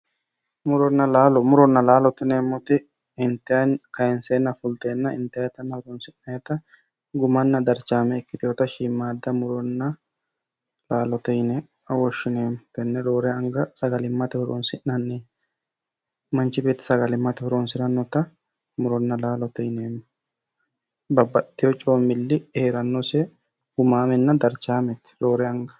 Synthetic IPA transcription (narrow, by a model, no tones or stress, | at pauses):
mʊɾɔnːɐlaːlɔmʊɾɔnːɐlaːlɔt̪ɪneːmːɔt̪ɪ | ɪnt̪ːɪjɐnkɐjɛnseːnːɐfʊlt̪eːnːɐɪ̰nt̪ːɪɐjɛt̪ɐnːɐhʊɾɔnsɪnːɐjɛt̪ɐ | ɡʊmɐnːɐd̪ɐɾt͡ʃaːmɛːkːɪt̪ɪjoːt̪ɐʃiːmːaːd̪ːɐmʊɾɔnːɐ | laːlɔt̪ɛjnɛ | ɐwɔʃːɪneːmt̪ɛnːɛɾoːɾɛɐŋɡɐsɐɡɐlɪmːɐt̪ɛhʊɾo̰ːnsɪnːɐnːe | mɐnt͡ʃːɪbeːt̪ːɪ̥sɐɡɐlɪmːɐt̪ɛhʊɾoːnsɪɾɐnːɔt̪ɐ | mʊɾɔnːɐlaːlɔt̪ɛjneːm | bɐbːɐt̪ːɪjɔt͡ʃʼoːmːɪlːɪeːɾɐnːɔsɛ | ɡ̥ʊmaːmɛnːɐd̪ɐɾt͡ʃaːmɛt̪ɾo̞ːɾɛɐŋɡɐ̥